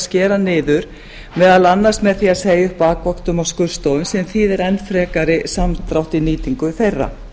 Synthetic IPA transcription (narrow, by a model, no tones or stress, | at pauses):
scɛːɾanɪːðʏɾ̥ | mɛːðalanːar̥smɛðθiaðseːjʏhpaːkvɔkt̪ʏmawskʏɾ̥st̪owʏnsɛmθiðɛɾɛnːfɾɛːkaɾɪsamt̪ɾawht̪iniːt̪iŋkʏfejrːa̰